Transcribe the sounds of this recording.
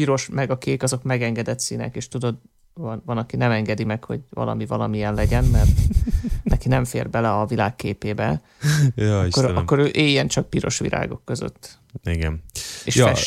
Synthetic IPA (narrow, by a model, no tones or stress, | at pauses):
piɾo̞ʃmɛɡɒkeːkɒzo̞kmɛɡɛŋɡɛd̪ɛt̪siːnɛ̰keːʃt̪ud̪o̞d̪ | vɒnvɒnɒkinɛmɛŋɡɛd̪imɛkho̞̰ɟvɒ̰lɒ̰mivɒlɒmijɛnlɛɟɛnmɛrt̪ | nɛkinɛɱfḛːrbɛlɛɒvilaːkːeːpeːbɛ | jɒikːoɾkːo̞ɾøːʔeːjɛnt͡ʃɒk̚piɾo̞̰ʃʋḭlʔa̰ːɡo̞̰kːøzø̰t̪ː | iɡɛ̰meːʃjfɛʃ